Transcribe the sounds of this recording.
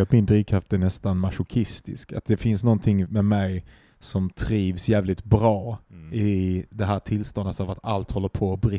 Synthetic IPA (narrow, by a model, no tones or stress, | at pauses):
lt̪mɪnd̪ɾiːkʰːat̪̚d̪ɛnɛst̪anmaʂʊkʰɪst̪ɪ̰ska̰t̪̚d̪ɛfɪnsnɔnt̪ʰɪŋmɛmɛj | sɔmt̪ʰɾiːvsjæːvlɪt̪bɾɑːɪd̪ɛɦæːʈʰɪlst̪ɔnd̪ət̪avat̪alt̪hɔlːəɾpʰɔbɾɪ